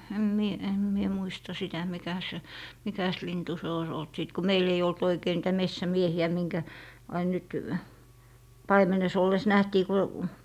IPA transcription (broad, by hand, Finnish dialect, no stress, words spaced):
em mie em mie muistɑ sitæ mikæ se mikæs lintu se ois olt siˑt ko meil ei olt oikei niːtæ mesːæmiehiæ miŋkæ ɑin nyt pɑimenes olːes næhtiː ku